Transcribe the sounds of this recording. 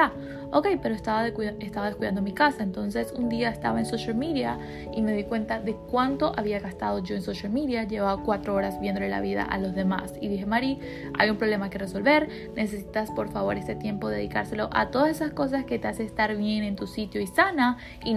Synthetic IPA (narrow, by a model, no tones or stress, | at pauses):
a | oke̞jpe̞ɾoest̪aβaðest̪aβaðeskuiðand̪omikasaent̪o̞nse̞sund̪iaest̪a̰βaensoʃalmiðja | ime̞ðikwe̞nt̪aðe̞kwant̪o̞ʔaβiaɣast̪að̞o̞ʝo̞ensoʃalmiðjaʝe̞βaβakwat̪ɾooɾazbje̞nd̪oela̰βiða̰ʔa̰lo̞zðe̞ma̰siðixemaɾi | a̰jumpɾole̞make̞re̞so̞lβe̞ɾ | ne̞se̞si̥t̪aspo̞ɾfaβ̞o̞ɾe̞st̪et̪je̞mpo̞ðe̞ðikaɾse̞lo̞ʔa̰t̪o̞ðasesasko̞s̬aske̞t̪easest̪aɾβje̞ne̞nt̪usit̪joisana | i